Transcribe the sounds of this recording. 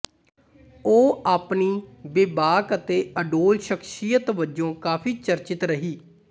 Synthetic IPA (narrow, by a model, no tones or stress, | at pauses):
oːaːpniːbeːbaːkət̪eːəɖoːlʃəkʰʃijət̪ʋəd͡ʒõːkaːpʰiːt͡ʃəɾt͡ʃɪt̪ɾəɦiː